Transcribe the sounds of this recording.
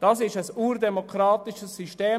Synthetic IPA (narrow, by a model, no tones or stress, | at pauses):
d̥ɑsɪʃəsuːrdɛmokɾɑːtɪʃəsːyʃteː